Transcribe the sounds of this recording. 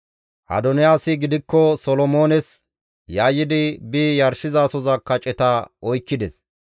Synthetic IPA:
ʔɐ̰d̪ɔnɪjaːsɪɡɪd̪ɪkːɔsɔlɔmo̞ːnɛs | jaːjːɪd̪ɪbiːjɐɾʃɪzaːsɔzɐkːɐt͡ʃʼɛt̪ɐɔjkːɪd̪ɛs

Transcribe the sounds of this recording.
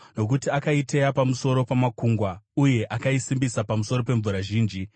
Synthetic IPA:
no̞k̬utiakaitejapamuso̞ɾo̞pamakuŋɡwauje̞ʔakaisimbisapamuso̞ɾo̞pe̞ɱvuɾaʒiːnd͡ʒi

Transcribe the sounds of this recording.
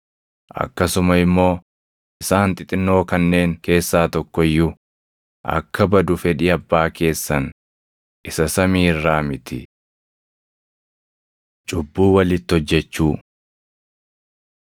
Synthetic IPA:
ʔɐ̰kːɐsʊmɐɪmːo̞ː | ʔɪsaːnt̪ʼɪt̪ʼɪnːo̞ːkɐnːe̞ːŋke̞ːsːaːt̪ɔkːɔɪjːʊ | ʔɐ̰kːɐbɐd̪ʊfɛᶑɪɐbːaːke̞ːsːɐn | ʔɪsɐsɐmiːɪrːaːmɪt̪ɪ | t͡ʃʼʊbːuːwɐlɪt̪ːhɔd͡ʒːɛt͡ʃːuː

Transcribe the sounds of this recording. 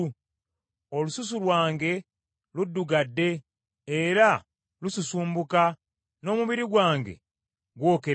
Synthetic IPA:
olusus̬ulwaːŋɡe̞ | ludːuɡadːe̞ː | ɾa | lususuːmbuka | no̞ːmuβiɾiɡwaːŋɡe̞̰ | ɡwo̞ːke

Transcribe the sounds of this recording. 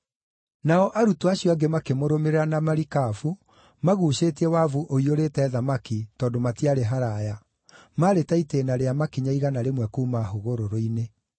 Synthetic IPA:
naɔʔaɾutoaɕjɔaɡemakemoɾomeɾeɾanamaɾikafu | maɣuʃeːtiɛwavuʔoioɾetɛːðamakitɔːndomatiaɾeɦaɾaja | maɾetaiteːnaɾeamakiɲaiɣanaɾemwɛkuːmaɦoɣoɾoɾoine

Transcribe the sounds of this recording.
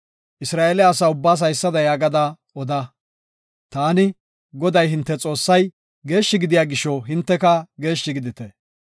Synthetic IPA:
ʔɪsɾaːʔeːlɪaːsaːʊbːaːs̬ɐjsːɐd̪ɐjaːɡɐd̪ɐ | ɔd̪ɐ | t̪aːnɪ | ɡɔd̪ɐjɦɪnt̪ːɛt͡sʼo̞ːsːɐj | ɡe̞ːʃːɪɡɪd̪ɪjaːɡɪʃɔɦɪnt̪ːɛkɐɡe̞ːʃːɪɡɪd̪ɪt̪ɛ

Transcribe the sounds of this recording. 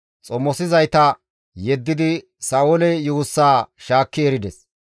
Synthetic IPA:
t͡sʼɔmːɔsɪzɐjt̪ɐ | jɛd̪ːɪd̪ɪ | sɐːʔɔlɛjuːsːaːʃaːkːɪɛɾɪd̪ɛs

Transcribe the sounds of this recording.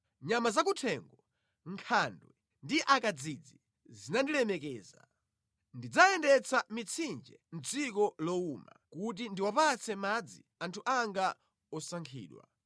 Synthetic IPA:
ɲamazak̬utʰɛŋɡɔ | ŋkʰandwɛ | ndiʔakad͡zid͡zi | zinandilɛmɛkɛːza̰ | ndid͡zaɛndɛt͡sʰamit͡sʰind͡ʒɛn̩d͡zikɔlɔuma̰kut̬indiwapat͡sʰɛmad͡zḭ | antʰuʔaŋɡa | ɔsaŋkʰḭːɗwa̰

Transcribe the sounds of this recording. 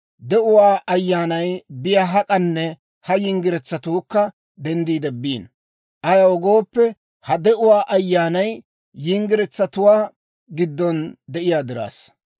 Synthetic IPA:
d̪ɛʔʊwaːʔɐjːaːnɐjbɪjaɦɐkʼɐnːɛ | hɐjɪŋɡɪɾɛt͡sːɐt̪uːkːɐ | d̪ɛnd̪iːd̪ɛbiːn | ʔɐjɐwɔɡo̞ːpːɛ | hɐd̪ɛʔʊwaːʔɐjːaːnɐj | jɪŋɡɪɾɛt͡sːɐt̪ʊwaː | ɡɪd̪ːɔnd̪ɛʔɪjaːd̪ɪɾa̰ːs

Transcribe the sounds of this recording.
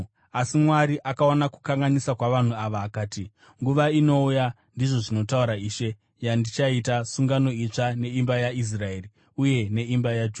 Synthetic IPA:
asimwaɾiʔakaonaku̥kaŋɡanisakwaʋan̤uaʋaːkaːti | ŋɡuʋaino̞uja | ndiʐo̞ʐino̞tauɾaiːʃe̞ | jandit͡ʃaitasuŋɡano̞it͡ʂane̞imbajais̬raeːri | uje̞ne̞imbajad͡ʒuː

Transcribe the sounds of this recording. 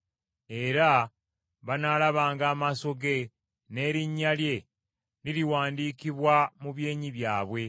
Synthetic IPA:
e̞ɾa | βanalaβaːŋɡaːmaso̞ɡe̞ | ne̞ːɾiɲːalje̞ | liɾiwaːndiːkiβwamuβje̞ːɲiβjaːβwe̞

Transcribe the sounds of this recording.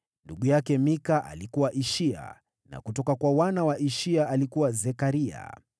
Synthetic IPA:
nduɠujakɛmikaʔa̰likuwaʔiʃia̰ | na̰kutɔkakwawanawaʔiʃiaːlikuwazɛkaɾia̰

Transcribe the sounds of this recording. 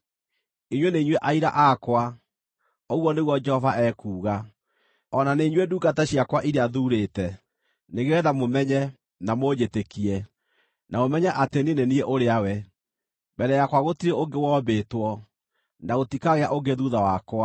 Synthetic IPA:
iɲweneiɲweʔaiɾa̰ʔakwa | oɣwɔneɣwɔd͡ʒɛhɔvaɛːkuːɣa | ɔnaneiɲweduːɡataɕiakwaʔiɾeaðuɾetɛ | neɣewɛðamomɛɲɛ | namoɲetekiɛ | naomɛɲɛʔateninenieʔoɾeawɛ | bɛɾɛjakwaɣotiɾeoŋɡewɔːbeːtwɔ | naɣotikaɣeaʔoɡeðuðawakwa

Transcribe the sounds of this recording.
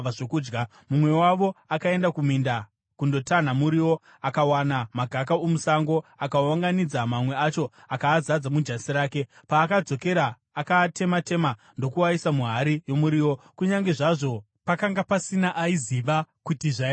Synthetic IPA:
ʐokuːd͡ʒɡa | mumwe̞waʋo̞akae̞ndakuminda | kundo̞tan̤amuɾiwo̞ | akawanamaɡʱakaomusaŋɡo̞akawaŋɡanid͡zamamwe̞at͡ʃo̞ | akaːzad͡zamud͡ʒasiɾaːke̞ | paːkad͡zo̞ke̞ɾaː | katʰe̞mate̞ma | ndo̞kuwaisamuɦaɾijo̞muɾiːwo̞kuɲaŋɡe̞ʐaʐo̞ | pakaŋɡapasinaʔaiziʋakutiʐa

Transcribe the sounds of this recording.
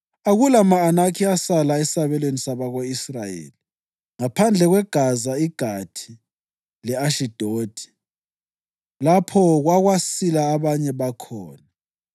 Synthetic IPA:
aɣulamaːnakʰiasalaɛsaβɛlwenisaβaɣoisrajḛːli | ŋapʰand͡ɮʱɛɣwɛɡ̥ʱazaiɡ̥ʱatʰi̥ | lɛaʃid̥ʱoːtʰʼi̥ | lapʰɔɣwaɣwasilaːβaɲɛβakʰɔːna

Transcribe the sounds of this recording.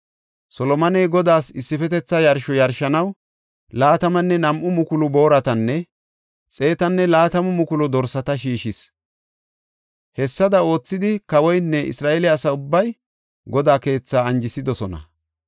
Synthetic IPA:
sɔlɔmɐnɛjɡɔd̪aːsɪsːɪfɛt̪ɛt͡sːɐjɐɾʃɔjɐɾʃɐnɐw | laːt̪ɐmɐnːɛnɐmʔʊmʊkʊlʊbo̞ːɾɐt̪ɐnːɛ | t͡sʼe̞ːt̪ɐnːɛlaːt̪ɐmʊmʊkʊlɔd̪ɔɾsɐt̪ɐʃiːʃɪs | hɛsːɐd̪ɐo̞ːt͡sːɪd̪ɪkɐwɔjnːɛʔɪ̰sɾaːʔelɛɐsɐʊbːɐj | ɡɔd̪aːke̞ːt͡sːaːɐnd͡ʒɪsɪd̪ɔsɔnɐ̰

